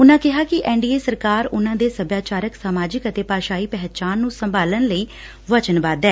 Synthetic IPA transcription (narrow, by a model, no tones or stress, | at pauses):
ʊnãːkɪɦaːkɪʔɛːɳɖiːeːsəɾkaːɾʊnãːd̪eːsəbjaːt͡ʃaːɾəksaːmaːd͡ʒɪkət̪eːpaːʃaːiːpɛɦt͡ʃaːnːũːsəmbaːlənləiː | ʋət͡ʃənbaːd̪ɛː